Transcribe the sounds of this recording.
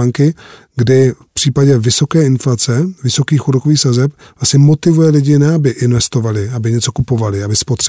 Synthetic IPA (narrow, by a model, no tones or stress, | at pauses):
aŋkɪ | ɡdɪfpr̥iːpaɟɛvɪso̞kɛːɪnflat͡sɛvɪso̞kiːxuɾokoviːxsazɛp | vlasɲɛmo̞t̪ɪvujɛlɪɟɪnɛabɪʔɪnvɛst̪o̞valɪabɪɲɛt͡so̞kupo̞valɪabɪspot̪r̥